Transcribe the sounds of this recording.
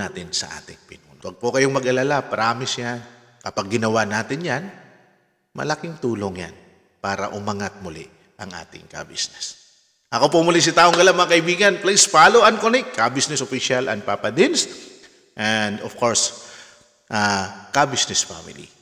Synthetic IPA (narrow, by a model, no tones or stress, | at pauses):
aːt̪ɪnsɐ̰ʔa̰ːt̪ɪŋpɪnonwɐɡ̚pokɐjoŋmɐɡʔɐlalapɐɾaːmɪsjan | kɐpaɡ̚ːɪnɐwanaːt̪ɪnjan | mɐ̰lɐkɪŋt̪uːloŋja̰n | paːɾɐ̰ʔʊmɐŋat̪̚mʊlɪ̰ | ʔɐŋʔa̰ːt̪ɪ̰ŋkɐ̰bḭsnɛs | ʔɐko̞pomʊlɪs̬ɐt̪aːʔoŋɡɐlamɐŋakɐibiːɡɐnplaspaːloʔɐnkonɛkːɐbisnɛsofiʃalʔɐ̰n̚papɐd̪ɪns | ʔɛnd̪ofko̞ɹs | ʔakabisnɛsfa̰mɪ̰lḭ